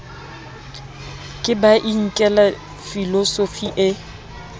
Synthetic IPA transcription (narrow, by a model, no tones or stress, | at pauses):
kʼɪbaʔiŋ̩kʼɛla | filɔsofiʔɪ